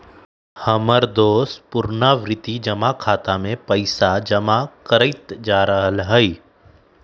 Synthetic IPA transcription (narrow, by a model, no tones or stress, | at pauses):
həməɾd̪oːspʊɾnaʋɾɪt̪id͡ʒɐmakʰaːt̪amẽpəɪsad͡ʒɐmakəɾəɪt̪d͡ʒaːɾəɦəlɦəi